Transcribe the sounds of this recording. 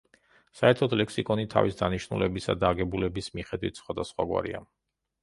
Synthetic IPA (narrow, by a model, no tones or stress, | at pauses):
saɛɾt̪ʰɔd̪lɛksikʼɔnit̪ʰa̰visd̪aniʃnulɛbisad̪aːɡɛbulɛbismiχɛd̪wit̪ʰsχwad̪asχwaɡwa̰ɾḭa